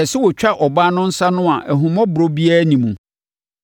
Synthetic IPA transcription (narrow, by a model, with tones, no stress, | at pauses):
ɛ˨sɪ˦wɔ˨t͡ɕᶣa˦ʔɔ˨baː˦nʊ̃˦n̩˦sa˦nʊ̃˦a˨ʔæ˨ɦũ˨mɔ̃˦bʊ˨ɾo˦bi˦aː˦nĩ˨mũ˨